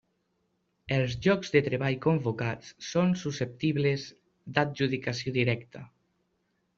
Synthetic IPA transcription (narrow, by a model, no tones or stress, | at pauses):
elˠzʒɔkzðet̪ɾeβaʎkombokat͡ssonsusep̚t̪iβlez | d̪at̪ʒuðikasjoðiɾɛkt̪a